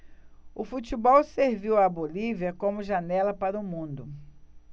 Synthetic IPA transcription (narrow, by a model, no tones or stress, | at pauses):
ʊfut͡ʃibɔwseɾviwɐboliviɐkõmʊʒanɛlɐpaɾɐʊmũnd̪ʊ